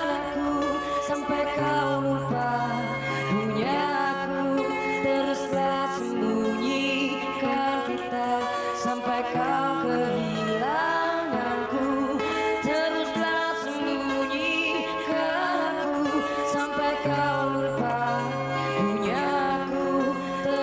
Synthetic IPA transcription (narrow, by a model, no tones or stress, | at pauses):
naku | sampajkaulupa | ɡuɲaːku | t̪əɾusla | sunduɲi | kankit̪a | sampajkaukəɦi | lananku | t̪əɾuslasuŋdu | ɲi | ka | aku | sampajkawməlpa | ɡuɲaku | t̪ə